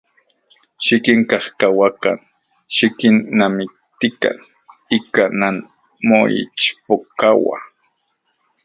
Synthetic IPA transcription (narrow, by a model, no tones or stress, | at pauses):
ʃikiŋkahkawaka̰n | ʃikinːamik̚t̪ika̰n | ikanan | moḭt͡ʃpokawa̰